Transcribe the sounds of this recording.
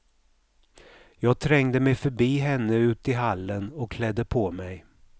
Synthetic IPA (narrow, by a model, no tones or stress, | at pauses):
jɑːɡ̚t̪ʰɾɛŋd̪əmɛjfœɾbiːɦɛnːəʉ̟ːt̪ɪɦalːənɔkkːʰlɛd̪ːəpʰɔmɛj